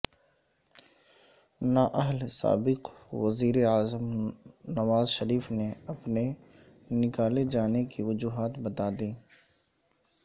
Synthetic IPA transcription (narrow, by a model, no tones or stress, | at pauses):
naʔɐɦlsa̰ːbɪqʋɐziːɾeaːzəmnɐʋaːzʃɐɾiːfneɐpne | nɪkaːled͡ʒaːnekiʋʊd͡ʒuːɦaːt̪bɐt̪aːd̪iː